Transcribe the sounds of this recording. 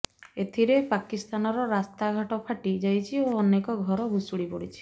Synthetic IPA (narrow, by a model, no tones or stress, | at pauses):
et̪ʰiɾepakist̪anɔɾɔɾast̪aɡʱaʈɔpʰaʈid͡ʒajt͡ʃʰioɔnekɔɡʱɔɾɔbʱusuɽipɔɽit͡ʃʰi̥